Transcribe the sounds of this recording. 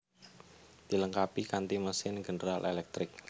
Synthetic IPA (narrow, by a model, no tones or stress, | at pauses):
d̪̥iləŋkapikant̪iməsɪnɡənəɾalʔelɛk̚t̪ɾɪk̚